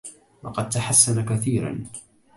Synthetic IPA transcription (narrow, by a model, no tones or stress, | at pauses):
wɑ̰qɑd̪̚t̪aħasːanakaθiːɾa̰n